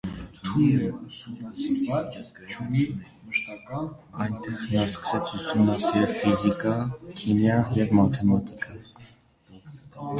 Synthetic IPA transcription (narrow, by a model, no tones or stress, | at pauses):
t̪ʰuləusumɑsiɾvɑt͡st͡ʃʰuni | məʃt̪ɑkɑn | ɑjnt̪ɛʁnɑskə̥sɛt͡sʰusumnɑsɛɛfizikɑkʰimjɑnjɛvmɑt̪ʰɛmɑt̪i̥kʰɑ